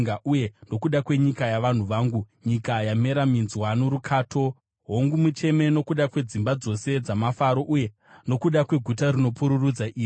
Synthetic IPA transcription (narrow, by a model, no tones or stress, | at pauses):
ŋaʔujendo̞kuɗakwe̞ɲikajaʋan̤uʋaːŋɡuɲikajame̞ɾaminzwanoɾukʰaːtʰo̞ | ɦoŋɡumut͡ʃe̞me̞no̞kuɗakwe̞d͡zimbad͡zo̞se̞d͡zamafaɾo̞ʔuje | no̞kuɗakwe̞ɡʱutarino̞puɾurud͡zaʔiːi